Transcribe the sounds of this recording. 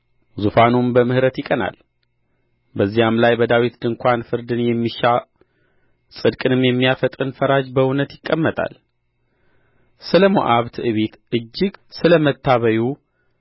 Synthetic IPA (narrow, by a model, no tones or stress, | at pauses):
zufanumbəmɨhɨɾət̪jɪkʼəna̰l | bəzːijamlajbəd̪awit̪d̪ɨŋkʷanfɨɾd̪ɨnjɛmːiʃa | sʼɨd̪kʼɨnɨmjɛmːijafət̪ʼɨnfəɾad͡ʒbəʊnət̪jɪkʼːəmːət̪ʼa̰l | sɨləmo̰ʔaβt̪ʰɨʔɨβet̪ʔɨd͡ʒːɪɡsɨləmət̪ʰːaβəju